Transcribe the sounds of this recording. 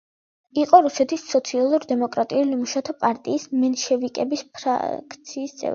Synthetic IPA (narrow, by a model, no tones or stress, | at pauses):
iqʼɔɾusɛt̪ʰisːɔt̪sʰialˠuɾd̪ɛmɔkʼɾat̪ʼiulimuʃat̪ʰɔpʼaɾt̪ʼiːsmɛnʃɛvikʼɛbispʰɾa̰kʰt̪sʰiːst̪sʼɛ̰vɾi